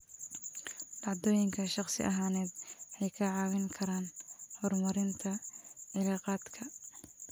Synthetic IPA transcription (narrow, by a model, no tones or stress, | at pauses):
d̥ɑʕd̪ɔːjɪŋkʰɐʃɑχsɪ̰ʔɐɦaːnɛːd̪ʕɛjkʰɐʕɑːwɪŋkʰɐɾaːnhɔrmɐɾɪnt̪ʰɐʕɪlɑːqɑːd̪kʰɐ